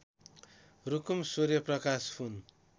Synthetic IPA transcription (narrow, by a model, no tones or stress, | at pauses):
rukumsuɾjʌprʌkaspʰun